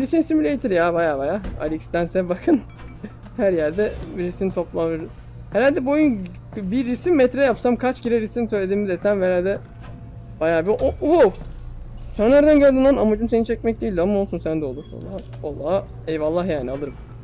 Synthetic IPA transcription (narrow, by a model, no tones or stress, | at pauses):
iɾisinisimylʲejt̪ʰiɾjabajaːbajaːa̰lʲicst̪ænsɛbakʰɯn | hæɾjæɾd̪ɛbiɾisinit̪ʰo̞plˠaɯɾ | hɛɾalʲd̪ɛbo̞jun | biɾːisimmːɛt̪ɾɛjapsamkʰat͡ʃɟiɾɛɾisinisøjlʲe̞d̪iːmid̪ɛsænvɛɾalʲd̪ɛ | b̥ajaːbiʔoʔu | sænæɾd̪ænɟølʲd̪ind̪aɾnamad͡ʒumse̞nint͡ʃʰɛc̚mɛc̚d̪ejilʲd̪iamao̞lˠsunsænd̪ɛolˠuɾo̰lˠːaː | olˠːaː | ɛjvalˠːahjaːnialˠɯɾm